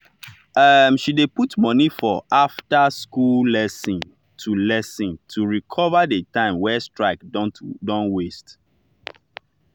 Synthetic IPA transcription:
ʔʌmʃideputmɔnifɔʔaftaskullɛsĩn | tʰulɛsĩntʰuɹikʰɔvadətʰãɪ̃mwɛstɹaɪkdɔ̃nwest

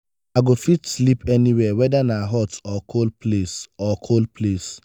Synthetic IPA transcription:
aɡofitslipɛniwɛwɛdanaɦɔtɔkʰolplesɔkʰolpʰles

